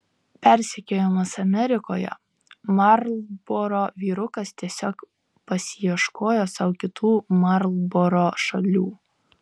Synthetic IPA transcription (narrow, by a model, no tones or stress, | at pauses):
pʲɛɾʲsʲɛkʲoːjomɐsɐmʲɛɾʲɪkoːjɛ̰ | mɐɾlˠboːɾoːʋʲiːɾʊkɐst̪ʲiɛsʲoːk | pɐsʲɪjiɛʃkoːjoːsɐʊkʲɪt̪uːmɑɾlˠboːɾoːʃɐlʲuː